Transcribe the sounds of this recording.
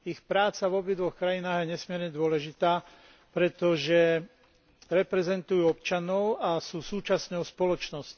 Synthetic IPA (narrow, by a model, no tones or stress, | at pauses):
ixpɾaːt͡savɔbid̪ʋɔxkɾajinaːɣjɛɲɛsmɪɛɾɲɛd̪ʊɔlɛʒit̪aː | pɾɛt̪ɔʒɛ | ɾɛpɾɛzɛnt̪ujuːɔp̚t͡ʃanɔʊasuːsuːt͡ʃasɲɔʊspɔlɔt͡ʃnɔsc